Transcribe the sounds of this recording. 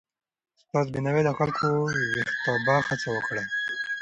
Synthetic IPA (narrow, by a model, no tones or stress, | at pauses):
spas̬binawed̪əxalkʰowixt̪abɑxat͡sawəkɽe